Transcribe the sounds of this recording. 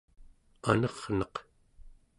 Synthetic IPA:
anʌʁnʌq

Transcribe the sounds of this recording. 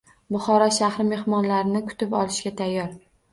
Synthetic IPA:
bʊχɒɾɒʃahɾɪme̞hmɒnlaɾɪnɪkʰʊ̥t̪ɪpɒlˠɪʃɡʲat̪ʰajːɒɾ

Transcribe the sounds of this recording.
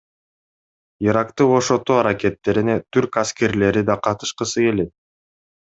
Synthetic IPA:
iɾakt̪ɯboʃo̞t̪uɑɾake̞t̪ːe̞ɾinet̪ʰyɾkaske̞ɾle̞ɾid̪ɑqʰɑt̪ɯ̥ʃqɯsɯke̞le̞t̪̚

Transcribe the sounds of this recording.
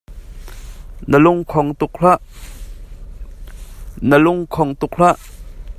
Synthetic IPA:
nəlʊŋkʰɔŋt̪ʊk̚l̥aʔ | nəlʊŋkʰɔŋt̪ʊkl̥aʔ

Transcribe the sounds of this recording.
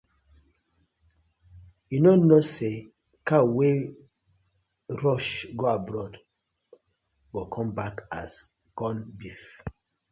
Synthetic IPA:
junonose | kawe | ɹɔʃɡoabɹɔd | ɡokʰɔ̃mbaka̰s | kɔ̃nbif

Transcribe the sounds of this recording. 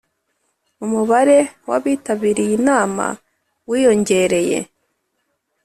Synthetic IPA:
umuβaɾe̞waβiːtaβiɾijinaːma̰ | wiːjo̞ɲɟe̞ɾe̞je̞̰

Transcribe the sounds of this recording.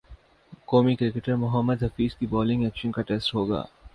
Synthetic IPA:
koːmikɾɪkeʈəɾmʊɦəmːəd̪ɦɐfiːzkibɔːlɪ̃ŋɡɛːkʃənkaʈeːsʈɦoːɡa̰ː

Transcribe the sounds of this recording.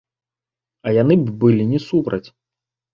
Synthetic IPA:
ɐjanɨbbɨlʲinʲɛsupɾɐt͡sʲ

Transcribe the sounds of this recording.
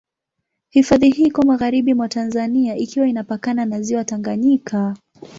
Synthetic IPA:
hifaðihikɔmaɣaɾiɓimwatanzaniaʔikiwainapakananaziwataŋɡaɲikʰa

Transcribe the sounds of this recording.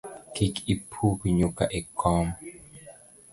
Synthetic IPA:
kikipʰupiɲuka̰ʔɛkɔm

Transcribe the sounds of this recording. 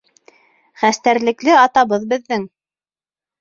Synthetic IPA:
χæst̪æɾlɘ̆klɘɑt̪ɑβɤðbɘ̆ðːɘŋ

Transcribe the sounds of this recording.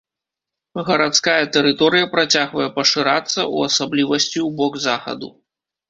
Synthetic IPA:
ɣɐɾat̪skajɐt̪ɛɾɨt̪ɔɾɨjɐpɾat͡sʲaɣvɐjɛpɐʂɨɾat̪sːɐ̰uɐsablʲivɐsʲt͡sʲiubɔɡzaxɐ̰d̪ṵ

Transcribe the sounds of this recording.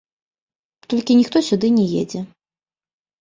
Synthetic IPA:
t̪ɔlʲkʲinʲixt̪ɔsʲud̪ɨnʲɛjɛ̰d͡zʲɛ

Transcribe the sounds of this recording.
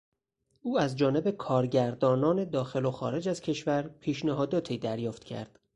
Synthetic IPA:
ʔuːæzd͡ʒɒːne̞be̞kʰɒːɾɟæɾd̪ɒːnɒːne̞d̪ɒːxe̞loxɒːɾe̞d͡ʒæz̥cʰe̞ʃvæɾpʰiːʃnæɦɒːd̪ɒːt̪ʰiːd̪æɾjɒːft̪cʰæ̰ɾd̪̥

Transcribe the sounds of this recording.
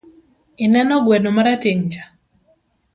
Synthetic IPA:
ɪnɛnɔɡwɛnomaɾateŋt͡ʃḁ

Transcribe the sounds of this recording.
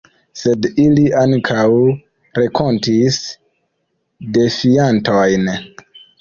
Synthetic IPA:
se̞diliaŋkʰaw | ɾe̞kʰo̞ntis | de̞fiantojn

